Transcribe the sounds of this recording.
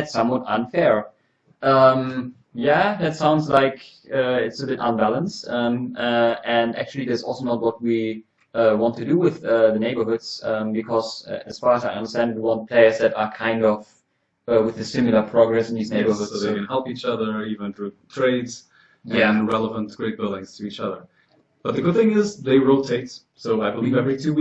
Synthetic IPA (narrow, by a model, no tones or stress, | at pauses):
ætsʌ̃mwɔɾʌ̃nfɛɹ | ʔʌ̃m | jæðɨtsãʊ̃ndzlaɪk | ʌɪtsɨbɪɾə̰̃nbælˠə̃nstʌ̃mʌɨ̃næ̰k̚t͡ʃʉl̩ˠiðæsɔ̰lˠsoʊnət̚wʌt̚wi | ʌwɑ̃ntʰɨdɨwɪðʌðɨneɪbə˞hʊdz̥ʌ̃mbɨkʰɔzɨz̥fɑɹəzaɪʌ̃ndə˞stæ̃nd̚wiwõʊ̃nt̚pʰl̥eɪəsɛɾəkʰãɪ̃ndɔv̥ | ʌwɨðɨsɪ̃mjl̩ˠə˞pʰɹ̥ɑɡɹɛsn̩ðizneɪbə˞hʊsoðeɪkɨ̃nhɛlˠpit͡ʃʌðə˞ivə̃nθɹutʰɹ̥eɪdz̥ | jæ̃nɹɛlˠəvə̃nɡ̥ɹeɪt̚b̥ɪlˠdɪ̃ŋz̥tʰɨit͡ʃʌðə˞ | b̥ʌt̪̚ðɨɡʊd̪̚θɪ̃ŋɪzðeɪɹoʊtʰeɪt | soʊaɪbəlivɛvɹitʰʉ